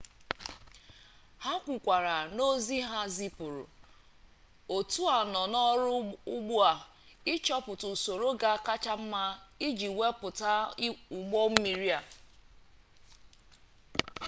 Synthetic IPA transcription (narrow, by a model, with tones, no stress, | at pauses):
ha˦kʷu˨kʷa˨ɾa˨no˦zi˦ɦa˦zi˦pʊ˨ɾʊ̰˨ | o˨tu˦a˨nɔ˨nɔ˦ɾʊ˦ʊ˦ɡ͡bu˦a˨ | ɪ˦t͡ʃɔ˦pʊ˨tʊ˨so˨ɾo˦ɡa˦ka˦t͡ʃa˦m̩˦ma˦i˦d͡ʒi˨we˦pʊ˨ta˦u˨ɡ͡bo˦m̩˦mi˨ɾi˦a˨